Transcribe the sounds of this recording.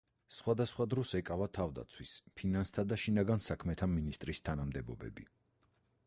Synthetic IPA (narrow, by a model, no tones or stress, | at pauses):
sχwad̪asχwad̪ɾɔsɛkʼavat̪ʰavd̪a̰t̪sʰwispʰinanst̪ʰad̪aʃinaɡansakʰmɛt̪ʰaminist̪ʼɾist̪ʰanamd̪ɛbɔbɛ̰bi